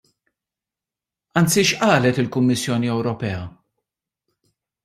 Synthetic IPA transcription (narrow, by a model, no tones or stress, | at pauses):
ɐnt͡siʃʔɐːlɛt̪ɪlkʊmːɪsːjɔːniɛwɾɔpɛːɐ